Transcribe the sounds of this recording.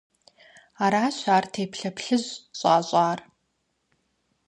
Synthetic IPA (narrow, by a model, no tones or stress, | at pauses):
aːɾaːɕʷaːrtʰeːpʰɬɐpɬɨʑɕʷʼaːɕʷʼaːr